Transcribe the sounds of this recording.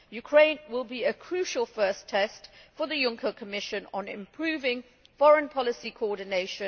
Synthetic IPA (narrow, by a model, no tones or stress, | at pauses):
jʉkʰɹ̥ẽɪ̃nwɪlˠbiɨkʰɹ̥ʉˑʃəlˠfɜˑstʰɛstfəðəjʊ̃ŋkʰəkʰəmɪʃə̃nə̃nɪ̰̃mpʰɹ̥ʉːvɪ̃ŋ | fɒɹə̃npʰɒlɪsikʰəɔːdⁿneɪʃə̃